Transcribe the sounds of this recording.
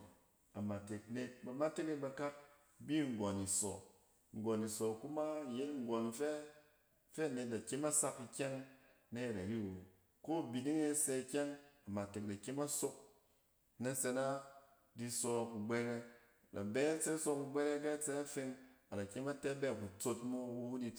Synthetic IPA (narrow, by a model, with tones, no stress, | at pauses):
a˨ma˨te˨kne˧t̚ba˨ma˦te˦ne˦tba˧ka˦p̚ | bi˦ŋ̩˨ɡɔ˨ni˨sɔ̰˨ | ŋ̩˨ɡɔ˨ni˨sɔ˨ku˦ma˦˨je˦tŋ̩˦˨ɡɔ˨nfɛ˦ | fɛ˦˨ne˨t̚da˨ke˦ma˦sa˧ki˧kʲɛ˦ŋ | na˦je˨ɾa˨ɾi˦˨wo˨ | ko˦˨bi˨ni˦ŋe˦se˧kʲɛ˦ŋa˨ma˨te˨k̚da˨ke˦ma˦so˦k̚ | na˦t͡se˧na˦ | di˧sɔ˧a˧ku˨ɡ͡be˧ɾe˧˨ | da̰˨bɛ˦na˦t͡se˦so˧ku˧ɡ͡bɛ˦le˦k̬a˦t͡se˧a˦fe˧ŋa˨da˨kʲe˦ma˦tɛ˦bɛ˦˨ku˨t͡so˧tmo˦u˦u˦di˧